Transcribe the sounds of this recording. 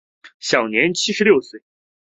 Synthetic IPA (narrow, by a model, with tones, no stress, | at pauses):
ɕjɑ˨˩ʊnjɛ˧˥nt͡ɕʰi˥ʂɻ̩˧ljo˥˩˧ʊswe˥˩ɪ